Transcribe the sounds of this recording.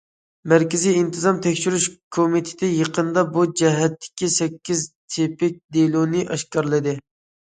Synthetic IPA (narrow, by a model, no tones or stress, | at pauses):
mæɾkʲɪzijint̪ʰɨzɑmt̪ʰɛkʲʃyɾyʃkʰomit̪ʰɪ̥t̪ʰɪjeqʰənd̪ɑbud͡ʒɛɦɛt̪ʰːɪ̥kʲisɛkʲːizt̪ʰepɪk̚ʲd̪elˠonɪʔɑʃkɑɾlˠɨd̪ɨ